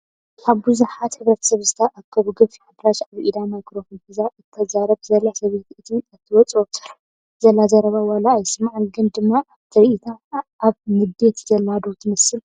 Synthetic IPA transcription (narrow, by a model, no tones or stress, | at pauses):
aβbuzuħat̪ħɨβɾɐt̪ʰɐ̥sɐβzɨt̪ʰɐʔakʰɐβuɡɨfiħɨd̪ɾaʃaβʔid̪amajkɾofonfizaʔɨt̪ʰːɐzaɾɐβzɐlːasɐβe̞t̪ɨt̪ʰiɨt̪ʰːɨwɔt͡sʼot̪ʰɨ̥ɾ | zɐlːazɐɾɐβawalaːjɪsmaʕɨnɡɨnd̪ɨmːa | t̪ʰɨɾiʔit̪ʰaʔaβmɨd̪e̞t̪zɐlːad̪owt̪ʰɨmɐsɨl